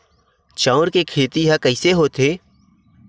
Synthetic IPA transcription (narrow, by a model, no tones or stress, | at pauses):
t͡ʃãːɾkekʰeːt̪iɦakəɪseɦoːt̪eː